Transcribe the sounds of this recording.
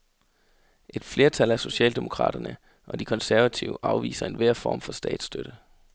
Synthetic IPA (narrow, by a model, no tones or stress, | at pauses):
ʔe̝d̥fle̝ːɐt͡sʰælæso̝ɕɛ̰ːld̥e̝mo̝kʰʁɑ̰̈ːd̥ɐnə | ʔɒ̽d̥ikʰɒ̽nsæɐʋæt͡sʰiʊəʔɑ̈ʊʋḭːsɐe̝nʋeɐ̰fɒ̰ːmfɒ̽sd̥ɛ̰ːd̥sd̥øɾ̥ə